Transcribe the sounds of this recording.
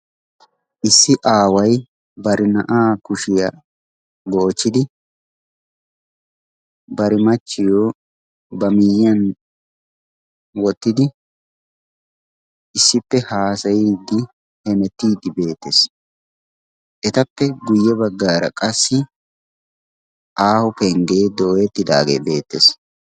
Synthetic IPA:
ʔɪsːɪʔaːwɐj | bɐɾɪnɐʔaːkʊʃɪjɐ | ɡo̞ːt͡ʃːɪd̪ɪ | bɐɾɪmɐt͡ʃːɪjoː | bɐmɪjɪɐn | wɔt̪ːɪd̪ɪ | ʔɪsːɪpːɛhaːsɐjiːd̪ːɪ | hɛmɛt̪ːiːd̪ːɪbe̞ːt̪ːes | ʔɛt̪ɐpːɛɡʊjːɛbɐɡːaːɾɐ̰kʼɐsːɪ | ʔaːhʊpɛŋɡe̞ːd̪oːjɛt̪ːɪd̪a̰ːɡḛːbe̞ːt̪ːes

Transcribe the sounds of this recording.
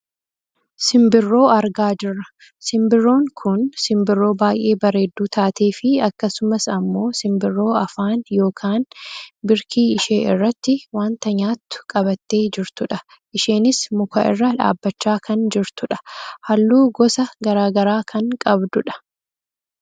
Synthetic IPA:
sɪmbɪrːo̞ːɐɾɡaːd͡ʒɪrːɐ | sɪmbɪrːo̞ːŋkʰʊnsɪmbɪrːo̞ːbaːjʔe̞ːbɐɾe̞ːd̪ːuːt̪ʰaːt̪eːfɪɐkːɐsʊmɐsɐmːo̞ːsɪmbɪrːo̞ːɐfaːnjo̞ːkʰaːnbɪɾkʰiːɪʃe̞ːʔɪ̰rːɐt̪ːɪwaːnt̪ɐɲaːt̪ːʊ̥kʼɐbɐt̪ːe̞ːd͡ʒɪɾt̪ʊᶑɐ | ʔɪʃe̞ːnɪsmʊkʰɐ̰ʔɪ̰rːɐᶑa̰ːbːɐt͡ʃːaːkʰɐnd͡ʒɪɾt̪ʊᶑɐ̥hɐlːuːɡɔsɐɡɐɾaːɡɐɾaːkʰɐŋkʼɐbd̪ʊᶑɐ̥

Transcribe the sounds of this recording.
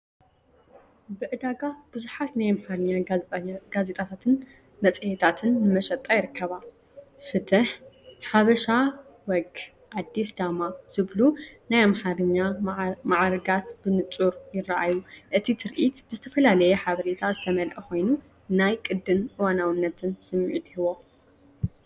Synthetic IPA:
bɨʔɨd̪aɡab̥ɨzuħat̪najmħɾɲːaɡazet̪ʼat̪ʰat̪ʰɨn | mɐt͡sʼɨjet̪ʰat̪ʰɨnːɨmɐʃɐt̪ʼːajɪɾɨkːɐβa | fɨt̪ʰɨħħaβɐʃa | wɔɡ | ʔad̪ːisd̪amaz̥ɨβlunajamħaɾɨɲːamaʕɾɡat̪bɨnɨt͡sʼuɾjɪraʔajuʔɨt̪ʰit̪ʰɨɾʔit̪bɨzɨt̪ʰɐfɐlalɐjɛħaβɐɾet̪ʰazɨt̪ʰɐmɐlʔɐxo̞jnu | najkʼɨd̪ːɨnʔɨwanawɨnːɐt̪ʰɨnsɨmːiʕut̪ʰihɨβo̞

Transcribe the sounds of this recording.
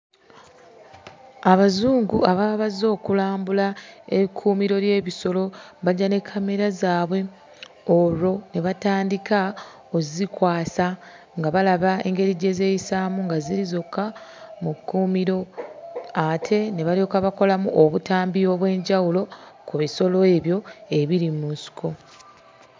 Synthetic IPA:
aβazuːŋɡuaβaːβazo̞ːkulaːmbulaekʰuːmiɾo̞ɾje̞ːβiso̞lo̞βaɟːane̞kʰːame̞ɾazaːβwe̞ | oɾo̞ne̞βataːndika | ozikwaːsa | ŋɡaβalaβae̞̰ŋɡe̞ɾiɟe̞ze̞ːjisaːmuŋɡaziɾizo̞kːamukːuːmiɾo̞ | atʰe̞ne̞βalio̞ːkaβako̞lamuʔoβutaːmbio̞βwe̞ːɲɟawulo̞kuβiso̞lo̞e̞βjo̞e̞βiɾimunsi̥ko̞

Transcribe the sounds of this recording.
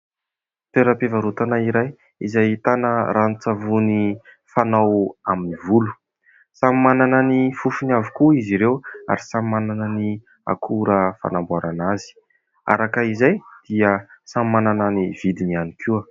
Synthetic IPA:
t̪eɾəpevaɾut̪anaiɾaj | izajit̪anəɾanit͡savuni | fanawaminivulu̥ | sammanananifufunavikuiziɾewa̰ɾisamimananani | a̰kʰuɾəfa̰nambwaɾanazi̥ | a̰ɾakaizajd̪̥iəsammanananivid̪inianikʰuə

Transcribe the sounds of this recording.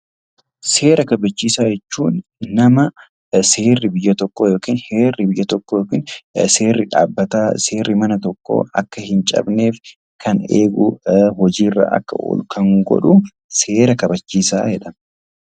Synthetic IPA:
se̞ːɾɐkɐbɐt͡ʃːiːsaːd͡ʒɛt͡ʃːuːnːɐmɐ | seːrːɪbɪjːɐt̪ɔkːoːjoːkiːnhe̞ːrːɪbɪjːɐt̪ɔkːoːjoːkiːnse̞ːrːɪᶑa̰ːbːɐt̪aːse̞ːrːɪmɐnɐt̪ɔkːo̰ːɐkːɐhɪnt͡ʃʼɐ̰bne̞ːf | kʰɐnḛːɡʊɦɔd͡ʒiːrːa̰ːʔɐ̰kːɐ̰ɔ̰lkʰɐŋɡɔ̰ᶑʊ | se̞ːɾɐkɐbɐt͡ʃːiːsa̰ːhɛᶑɐmɐ

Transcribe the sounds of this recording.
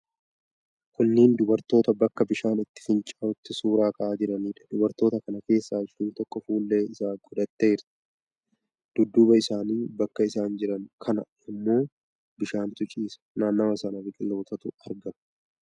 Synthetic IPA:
kʊnːɪːnd̪ʊbɐɾt̪o̞ːt̪ɐbɐkːɐbɪʃaːnɪt̪ːɪ̥fɪnt͡ʃʼaːʊt̪ːɪsuːɾaːkʼɐʔaːd͡ʒɪɾɐniːᶑɐ̥d̪ʊbɐɾt̪o̞ːt̪ɐkɐnɐke̞ːsːaːɪʃuːnt̪ɔkʼːɔfuːlːeːɪsaːɡʊd̪ɐt̪ːeːɾt̪ɐ̥ | d̪̥ʊd̪ːʊbɐɪsaːniːbɐkːɐɪsaːnd͡ʒɪɾɐŋkʰɐnɐ̰ | ɪmːo̞ː | bɪʃaːnt̪ʊt͡ʃʼiːsɐ̥naːnːɐmɐsɐnɐbɪkʼɪlːo̞ːt̪ɐt̪ʊɐɾɡɐmɐ̥

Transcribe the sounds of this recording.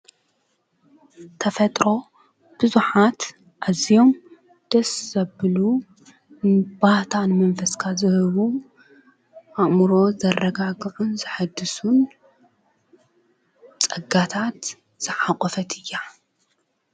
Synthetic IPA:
t̪ʰɐfɐt̪ʼɾo̞ | b̥ɨzuħat̪ | ʔazijo̞m | d̪̥ɐszɐbɨlu | nbaht̪ʰanɨmɐnfɐskʰazɨhɨβu | ʔaʔʼmɨɾo̞zɐrːɐɡaɡʕunzɨħad̪ːɨsun | t͡sʼɐɡat̪ʰat̪ | z̥ɨʕaqʼɔfɐt̪ʰɨjːa

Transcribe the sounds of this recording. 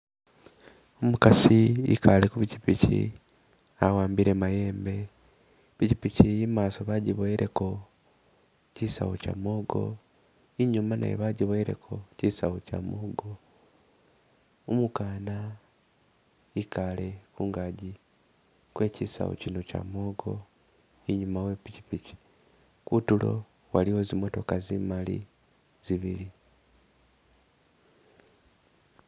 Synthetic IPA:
omukasiḭkalekuβicipicḭ | awaːmbiɾemaje̞ːmbe̞ | βicipicijimaːsoβaɟiβoeɾʔe̞ko̞ | cisawoca̰moːɡo̞̰ | iɲumanʔa̰jḛβaɟiβoeɾe̞̰kʰo̞cisawoca̰moːɡo̞ | umukaːna | ikale̞kuːŋɡaɟi | kwe̞cisa̰wo̰cino̞ca̰mo̞ːɡo̞̰ | iɲumawe̞picipici̥ | kutulo̞̰ | waliwezimo̞to̞kazimalḭ | z̥iβiɾi

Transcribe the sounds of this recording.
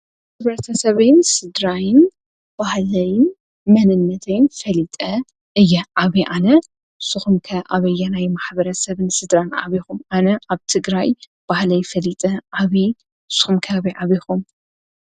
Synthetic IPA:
tɨβɾɐt̪ʰɐsɐβɐjnsɨd̪ɾajɪn | b̥ahlɐjn | mɐnɨnːɐt̪ʰɐjnfɐlit̪ʼɐ | ɨjːɛʔaβiʔanɐ | suxumkʰɐʔaβɐjːɐnajmaħbɐɾɐsɐβɨnsɨd̪ɾanʕa̰βixumʔanɐʔaβt̪ʰɨɡɾaj | b̥ahlɐjfɐlit̪ʼɐʔaβi | su̥xumkʰɐaβiʕaβixum

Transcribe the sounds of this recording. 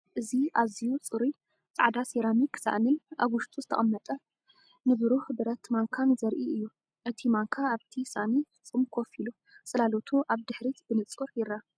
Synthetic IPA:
ʔɨziʔazijut͡sʼɨɾu | t͡sʼa̰ʕd̪aseɾamiksa̰ʔnɨnʔa̰βwʊʃt̪ʰʼuzɨt̪ʰɐ̰χʼɐmːɐt̪ʼɐ | nɨβɨɾuhbɨɾɐt̪maŋkʰanzɐɾʔiɨjːu | ʔɨt̪ʰimaŋkʰaːβt̪ʰisa̰ʔniɨt͡sʼɨmkʰofilu | t͡sʼɨlalot̪ʰuʔaβd̪ɨħɾit̪b̥ɨnɨt͡sʼuɾjɪɾːa

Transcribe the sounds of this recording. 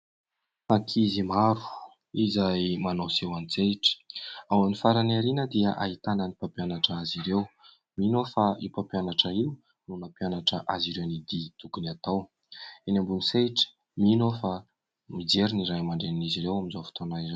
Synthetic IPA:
akʰizimaɾu̥ | izajmanosewanit͡seʈ͡ʂə̥awanifaɾanaɾinəd̪iaʔa̰ɦit̪anənipampianaʈ͡ʂəaziɾew | minofaipapianaʈ͡ʂəiu | nunapianaʈ͡ʂəʔaziɾewnid̪it̪uɡunat̪aw | enambuniseʈ͡ʂə̥ | minofa | mid͡zeɾiniɾajmaɳɖ͡ʐeniniziɾewaminzofi̥t̪onaire

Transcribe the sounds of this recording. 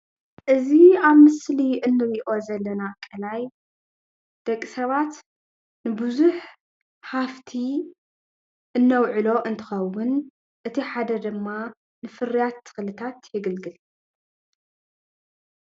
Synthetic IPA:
ʔɨziaβmɨsliʔɨnːɨɾiʔo̞zɐlːɐnakʼːɨlaj | d̪̥ɐkʼːisɐβat̪ | nɨbɨzuħ | haft̪ʰi | ʔɨnːɐwʕɨlo̞ʔɨnt̪ʰɨ̥xɐwːʊn | ʔɨt̪ʰiħad̪ɐd̪ɨmːa | nɨfɨrijat̪ʰːɨ̥xɨlɨt̪ʰat̪jɨɡɨlɡɨl

